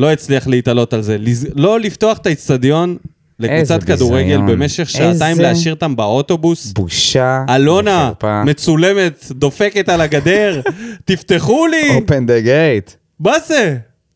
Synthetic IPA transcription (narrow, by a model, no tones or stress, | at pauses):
lo̞it͡sliaχleit̪alo̞talze̞lizlo̞lifto̞aχet̪ait͡st̪ad̪jo̞n | lekut͡sat̪kad̪uʁeɡe̞lbeme̞ʃe̞χʃaat̪ajimmleaʃiʁt̪ambao̞t̪o̞busbuʃaalo̞napame̞t͡sule̞me̞t̪d̪o̞fe̞ke̞t̪alaɡad̪e̞ʁt̪ift̪e̞χuliopend̪eɡejt̪ | maze